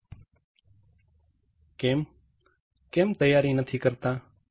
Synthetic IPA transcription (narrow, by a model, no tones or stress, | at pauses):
keːm | keːmt̪əjaːɾiːnət̪ʰiːkəɾt̪aː